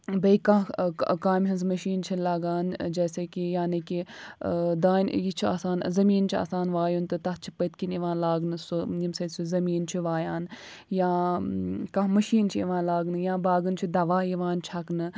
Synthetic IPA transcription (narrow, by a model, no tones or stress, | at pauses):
bɐikɐ̃ɦkaːmɦɐnzmɐʃiːnt͡ʃʰilaːɡaːnd͡ʒɛːseːkijaːniki | d̪aːnjit͡ʃʰia̰ːsaːnzɐmiːnt͡ʃʰia̰ːsaːnʋaːjunt̪ɨt̪ɐɦt͡ʃʰi̥pɐt̪̚kiniʋãːnlaːɡnɨsujimsɐt̪suzɐmiːnt͡ʃʰiʋaːjaːn | jãː | kɐ̃ɦmɐʃiːnt͡ʃʰiiʋãːnlaːɡnɨjãːbaːɡɨnt͡ʃʰid̪ɐʋaːiʋãːnt͡ʃʰɐknɨ